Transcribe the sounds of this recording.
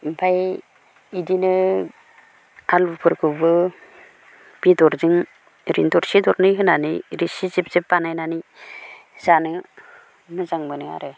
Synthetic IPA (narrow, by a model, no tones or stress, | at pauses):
bʰaj | idinɯ | albɯpʰɯɾkʰɯbɯ | b̥idɔɾzɯŋ | ɾḭntɔɾsidɔɾnɯɦɯnanɯɾisizip̚zipbanajnani | zanɯ | mɯzaŋbɯnɯa̰ɾɯ